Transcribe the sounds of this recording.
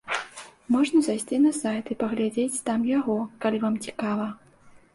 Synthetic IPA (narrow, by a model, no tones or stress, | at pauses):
mɔʐnɐzajsʲt͡sʲinɐsajt̪ipɐɣlʲad͡zʲet͡sʲt̪amjaɣɔkalʲivamt͡sʲikavɐ